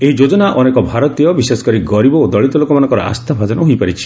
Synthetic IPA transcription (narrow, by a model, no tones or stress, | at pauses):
eɦid͡ʒod͡ʒɔnaʔɔnekɔbʱaɾɔt̪ijɔbisesɔ̥kɔɾiɡɔɾibɔod̪ɔɭit̪ɔlokɔmanɔ̃ŋkɔɾɔ̰a̰st̪ʰabʱad͡ʒɔnɔɦojpaɾit͡ʃʰi̥